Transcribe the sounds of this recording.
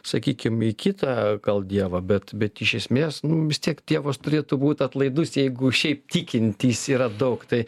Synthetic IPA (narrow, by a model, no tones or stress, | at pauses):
sɐkʲiːkʲɪmikʲit̪ɑɡ̥ɐlˠd̪ʲiɛʋɐbʲɛt̪bʲɛt̪ɪʃʲɛsʲmʲeːsnʊʋʲɪsʲt̪ʲiɛkt̪ʲiɛʋoːst̪ʊɾʲeːt̪ubuːt̪ʲɐt̪lˠɐɪd̪ʊsjɛɪɡʊʃʲɛɪp̚t̪ʲikʲɪnʲt̪ʲiːsiːɾɐd̪ɐʊkt̪ɐɪ